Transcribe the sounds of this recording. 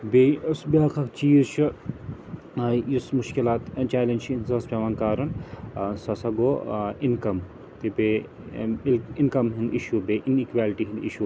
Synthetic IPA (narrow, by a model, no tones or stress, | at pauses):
besbaːkʰɐkt͡ʃiːzt͡ʃʰi | jismuʃkilaːt̪t͡ʃaːlɐnd͡ʒt͡ʃʰinzɐspʲɐʋaːnkaːɾɐnsɐsɐɡoːinkɐm | t̪ibe | ilinkɐmɦind̪iʃubeʔinikʋʲaːlʈiɦind̪ḭʃu